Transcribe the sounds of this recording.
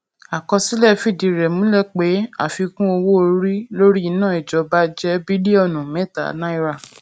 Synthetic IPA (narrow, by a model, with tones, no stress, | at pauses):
a˨kɔ˧si˨˦lɛ˦˨fi˦˨di˨˧ɾɛ˨mũ˨˦lɛ˦˨k͡pe˨˦a̰˦˨fi˧kũ˦o˧wo˦o˧ɾi˦lo˦ɾi˦i˧nãː˦˨i˨d͡ʒɔ˨ba˦d͡ʒɛ˦bi˦li˦ɔ˦˨nũ˨mɛ̃˦˨ta̰˨˦nã˦i˧ɾa˦˨